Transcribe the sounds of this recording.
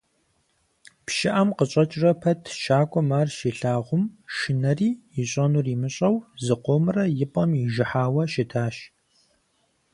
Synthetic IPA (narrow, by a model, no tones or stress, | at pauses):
pʃɪʔɐmqəɕʼɐt͡ʃʼrɐpʰɐtʰʃaːkʷʼɔmaːrʃiːɬaːʁʷʊmʃɪnɐriːjɪɕʷʼɐnuːriːmɨɕʼɐwzɨqʷoːmɨrɐjɪpʼɐmjɪʒɪħaːwɐʃɪtʰaːʃ